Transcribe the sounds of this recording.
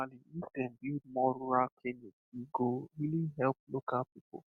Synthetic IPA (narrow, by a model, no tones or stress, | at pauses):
aliistɛn̩bimɔɾuɾakʰlenetiɡoilĩɦɛlp̚lokapipo̰